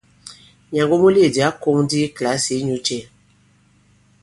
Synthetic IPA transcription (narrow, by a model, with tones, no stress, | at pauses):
ɲã˨ŋɡo˦mũ˦li˦e˨di˨a˨˦ko˦ŋdi˦kla˨˦si˨˦ɲũ˨˦t͡ʃe˨